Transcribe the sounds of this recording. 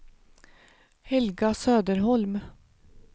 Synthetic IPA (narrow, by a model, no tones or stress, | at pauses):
hɛlɡɑsøːd̪əɾhɔlm